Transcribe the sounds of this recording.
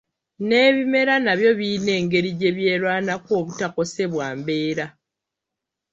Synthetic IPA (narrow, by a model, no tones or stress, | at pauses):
ne̞ːβime̞ɾanaβjo̞βiːne̞ːŋɡe̞ɾiɟe̞βje̞ːlwaːnako̞ːβutako̞se̞βwaːmbe̞ːɾa